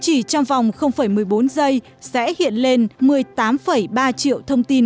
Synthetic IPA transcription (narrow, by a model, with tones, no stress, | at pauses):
t͡ɕi˧˩t͡ɕɔ˧wŋ͡mva˨˩wŋ͡mxə˧wŋ͡mfə˧˩jmɨ˨˩əjɓo˨˦nzə˧j | sɛ̰˧˥hḭ˧˨ənle˧nmɨ˨˩əjt̪aː˨˦mfə˧˩jɓaː˧t͡ɕḭ˧˨əwt̪ʰə˧wŋ͡mt̪i˧n